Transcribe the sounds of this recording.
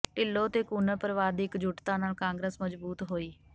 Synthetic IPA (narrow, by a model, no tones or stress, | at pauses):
ʈɪlːoːt̪eːkuːnəpəɾəʋaːd̪ɪkd͡ʒʊʈt̪ãːnaːlkãːŋɡɾeːsməd͡ʒbuːt̪ɦoːiː